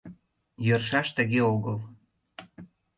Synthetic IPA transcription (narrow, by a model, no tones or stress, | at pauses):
jɤ̆rʃɑʃt̪ə̆ɣeoɣɤl